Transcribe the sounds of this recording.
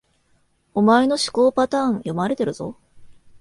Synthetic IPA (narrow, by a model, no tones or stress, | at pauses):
omaeno̞ɕi̥ko̞ːpat̪ãːɰ̃jo̞maɾe̞t̪e̞ɾɯ̟z̥o̞̰